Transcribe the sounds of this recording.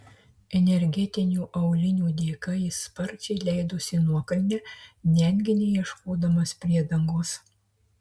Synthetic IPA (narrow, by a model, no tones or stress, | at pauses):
ɛnʲɛɾʲɡʲɛt̪ʲɪnʲuːʔɐʊlʲɪnʲuːd̪ʲeːkɐɪspɐɾʲt͡ʃʲɛɪlʲæɪd̪ʊsʲɪnuɔkɐlʲnʲɛnʲɛŋʲɡʲɪnʲɛɪiɛʃkoːd̪ɐmɐspʲɾʲiɛd̪ɐŋɡoːs